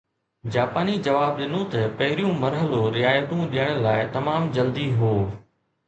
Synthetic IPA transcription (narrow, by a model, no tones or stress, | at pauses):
d͡ʑaːpaːnid͡ʑɐʋaːb̚ɗɪnõt̪ɐpɐɦɪɾijũmɐɾɦəloɾɪaːjət̪ũɗiəɽ̃laːɪt̪ɐmaːmd͡ʑɐld̪iɦoː